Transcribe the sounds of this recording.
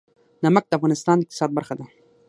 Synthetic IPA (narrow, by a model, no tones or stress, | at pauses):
namak̚d̪əafɣɑnɪst̪ɑnd̪əɪq̚t̪ɪ̥sɑd̪̚baɾxad̪a